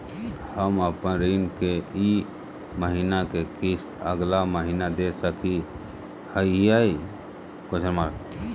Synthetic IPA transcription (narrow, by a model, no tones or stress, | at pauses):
həməpə̃ɾinkei | məɦinakekist̪əɡlaməɦiːnad̪esəki | həiiai | kot͡ʃəɾma